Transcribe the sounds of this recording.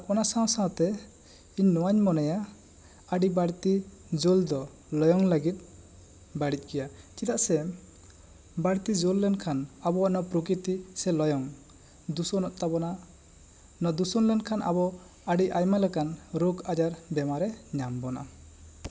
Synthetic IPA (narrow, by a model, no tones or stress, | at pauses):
ɔnasawsawt̪ɛ | iɲːɔwaɲmɔnɛja | aɖibaɽt̪i | d͡ʒold̪ɔ | lɔjɔŋləɡit̪̚ˀ | baɽic̪̚ˀkɛjat͡ʃit̪aʔsɛ | baɽt̪id͡ʒolːɛnkʰanabɔwaʔnɔpɾɔkɾit̪isɛlɔjɔŋ | d̪usɔnɔʔ̚t̪abɔna | nɔd̪usɔnlɛnkʰanʔa̰bɔ | aɖiʔajmalɛkanɾokad͡ʒaɾbɛmaɾɛɲambɔna̰